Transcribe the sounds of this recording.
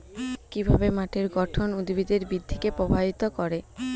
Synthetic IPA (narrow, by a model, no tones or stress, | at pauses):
kibʱabemaʈʰeɾɡɔʈʰonud̪bid̪eɾbid̪ʱːikepɾobʱait̪okɔɾe